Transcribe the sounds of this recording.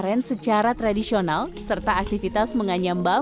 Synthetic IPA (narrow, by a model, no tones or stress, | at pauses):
ɾɛnsət͡ʃaɾat̪ɾadisionalsərt̪aːk̚t̪ifit̪asməŋaɲamba